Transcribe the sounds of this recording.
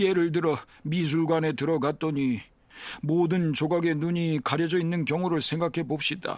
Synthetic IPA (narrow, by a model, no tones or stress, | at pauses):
e̞ɾɯɭd̬ɯɾʌ | mis̬ʰuɭɡwane̞tɯɾʌɡat̚t͈ʌɲi | moːdɯnt͡ɕoɡaɡe̞nuɲikaɾjʌd͡ʑʌinːɯnkjʌŋuɾɯɭsʰe̞ŋɡakʰe̞bop̚ɕ͈ida̰